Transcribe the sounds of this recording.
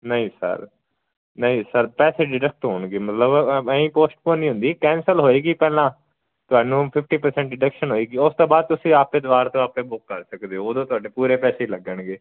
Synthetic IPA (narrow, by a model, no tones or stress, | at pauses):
nəĩːsə̰ɾ | nəĩːsəɾpɛːseːɖɪɖək̚ʈɦoːɳɡeːmət̪ləbəĩːpoːsʈ̚põːnĩːɦʊ̃nd̪iːkɛ̃ːnsəlɦoːeːɡiːpɛːlãː | t̪ʊɦaːnũːpʰɪpʰʈiːpəɾsɛ̃ːɳʈɖɪɖəkʃənɦoːeːɡiːʊst̪õːbaːd̪̚t̪ʊsĩːaːpeːd̪ʋaːɾt̪õːaːpẽːbʊkːəɾsəkd̪eːooːd̪õːt̪ʊaːɖeːpuːɾeːpɛːseːləɡəɳɡeː